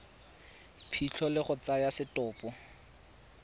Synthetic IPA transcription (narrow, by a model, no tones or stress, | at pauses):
pʰiɬʰɔlɪχʊt͡sajasɪtɔːpɔ